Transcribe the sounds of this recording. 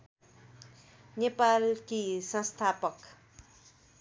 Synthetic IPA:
nepalkisʌ̃st̪ʰapʌk

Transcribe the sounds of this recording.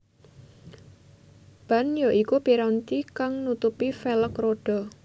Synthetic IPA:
b̥a̤njoʔikub̥i̤ɾɔnt͡ʃikaŋnut̪upifeləkroɖ̥ɔ̤

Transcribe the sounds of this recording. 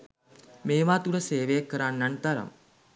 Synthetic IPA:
meːʋaːt̪uɽəseːʋejakːəɾanːant̪aɾa̰m

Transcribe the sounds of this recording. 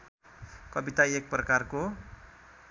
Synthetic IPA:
kɔbit̪aiek̚pərkarko

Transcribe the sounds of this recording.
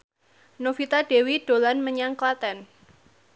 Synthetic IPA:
nofit̪aɖ̥e̤wid̥o̤lanməɲaŋklat̪ɛn

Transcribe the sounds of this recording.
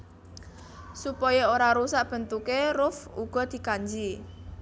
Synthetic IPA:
supɔjɔoɾaɾusaʔb̥ə̤nt̪ukerʊfṵɡ̥ɔ̤d̪̥i̤kaɲd͡ʒi

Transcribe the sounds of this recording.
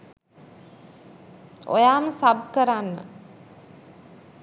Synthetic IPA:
o̰jaːməsabkəɾanːə̰

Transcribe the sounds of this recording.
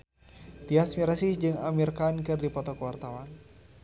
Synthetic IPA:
piasmiɾasisd͡ʒɨŋamirkankɨrdipɔt̪ɔkəwart̪awan

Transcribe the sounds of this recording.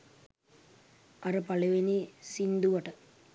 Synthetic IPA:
ɐɾɐpɐɭɐʋenisind̪uʋɐʈɐ

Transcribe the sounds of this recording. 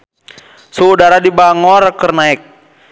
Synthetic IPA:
suudaɾadibaŋɔɾakərnaɛk̚

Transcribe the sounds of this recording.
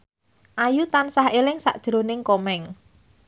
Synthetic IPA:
ʔajut̪ansahelɪŋsaʔd̥ʒ̥ɾonɪŋkomɛŋ

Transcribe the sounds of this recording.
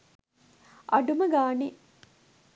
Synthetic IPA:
ʔɐɖuməɡaːni

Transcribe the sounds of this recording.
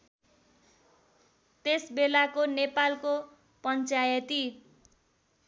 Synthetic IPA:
t̪esbelakonepalko | pʌnt͡sajʌt̪i

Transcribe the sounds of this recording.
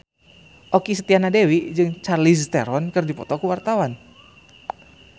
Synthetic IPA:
ʔokisət̪ianadewid͡ʒɨŋt͡ʃarlist̪eɾɔnkərdipɔ̰t̪ɔkuwart̪awan

